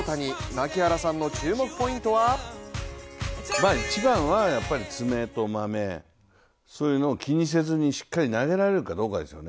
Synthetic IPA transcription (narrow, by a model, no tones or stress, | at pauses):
t̪aɲ̟inakʲihaɾasãnːo̞t͡ɕɨːmo̞kɯ̥po̞ĩnt̪o̞βa | maːit͡ɕibãɰ̃βajapːaɾʲit͡sɨme̞t̪o̞mame̞ | so̞ːjɯ̟no̞ːkʲiɲ̟is̬e̞zɨɲ̟iɕi̥kːaɾʲinaɡe̞ɾaɾe̞ɾɯ̟kad̪o̞ːkad̪e̞sɨjo̞ne